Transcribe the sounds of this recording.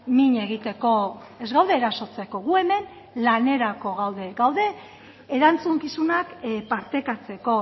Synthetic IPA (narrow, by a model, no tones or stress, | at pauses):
miɲe̞ɣit̪e̞ko̞ | e̞zɣawðe̞ːɾaso̞t͡se̞ko̞ɣue̞me̞n | lane̞ɾako̞ɣawðe̞ɡawðe̞ː | ɾant͡suŋkisunakpaɾt̪e̞kat͡se̞ko̞